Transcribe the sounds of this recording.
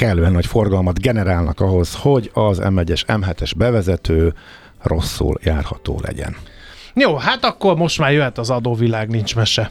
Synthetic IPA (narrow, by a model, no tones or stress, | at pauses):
kɛlːøːɛnɒcfo̞rɡɒlmɒd̪ɡɛnɛɾaːlnɒkɒɦo̞zho̞ɟɒzɛ̰mɛɟɛʃɛmɦɛt̪ɛʒbɛvɛzɛt̪øː | rʔo̞sːṵljaːrhɒt̪o̰ːlɛ̰ɟɛ̰n | joːɦat̪ɒkːo̞rmo̞ʃt̪maːrjøɦɛt̪ɒzɒd̪oːvilaːɡnint͡ʃmɛʃɛ